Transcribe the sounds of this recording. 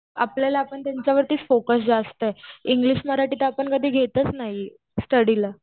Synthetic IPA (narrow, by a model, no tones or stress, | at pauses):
a̰pljalaːpəɳt̪jaɲt͡ɕjaʋəɾt̪iːt͡sfokəs̬d͡zast̪əeiŋɡliɕməɾaʈiːt̪əapəɳkəd̪ʱiːɡʱet̪ət͡snaɦi | sʈəɽila